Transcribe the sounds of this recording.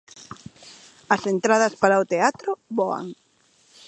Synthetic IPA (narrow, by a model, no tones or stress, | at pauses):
ɐsent̪ɾaðɐspaɾaot̪eat̪ɾʊβɔa̰ŋ